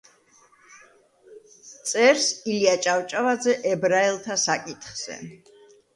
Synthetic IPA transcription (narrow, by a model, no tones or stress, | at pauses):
t̪sʼɛɾsiliat͡ʃʼawt͡ʃʼavad̪zɛʔɛbɾaɛlˠt̪ʰasakʼit̪ʰχz̥ɛ̰